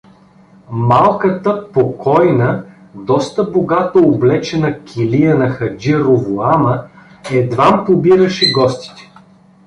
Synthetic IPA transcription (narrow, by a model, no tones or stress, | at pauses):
malˠkət̪əpokʰɔjnə | d̪ɔst̪əboɡat̪əoblɛt͡ʃɛnɐkʲʰilijənɐxɐd͡ʒiɾovoamə | ɛd̪vampobiɾəʃɛɡɔst̪i̥t̪ɛ̥